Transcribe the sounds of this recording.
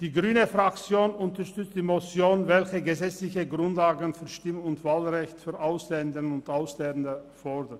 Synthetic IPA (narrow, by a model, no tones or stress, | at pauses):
d̥iːɡʁyːnəfʁ̥akt͡sjoːnʔʊntɐʃtʏt͡std̥iːmot͡sjoːnvɛlçəɡəzɛt͡slɪçəɡʁʊntlaːɡənfyːɐʃtɪmʊntv̥aːlʁɛçtfyːɐʔaʊslɛndənʊntaʊslɛndəfɔɐdən